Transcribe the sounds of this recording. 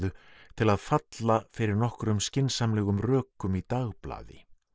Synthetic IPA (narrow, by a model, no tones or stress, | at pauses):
ðʏt̪ʰɪlaðfat̪lafɪɾɪɾnɔhkɾʏmscɪnsamlɛːɣʏmrœːkʏmit̪aɣpla̰ːðɪ̰